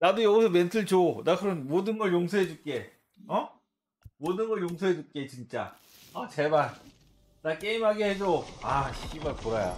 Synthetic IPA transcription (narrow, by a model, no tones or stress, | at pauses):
nadojʌɡisʰʌmentʰɯɭt͡ɕonakʰɯɾʌnmodɯnɡʌɭjoŋsʰoɦed͡ʑuk͈e̞ | ʌ | modɯnɡʌɭjoŋsʰoɦed͡ʑuk͈e̞t͡ɕint͡ɕ͈a̰ | ʌt͡ɕeban | nak͈eimɦaɡehed͡ʑoaɕʰiɡimaɭpoɾajo̰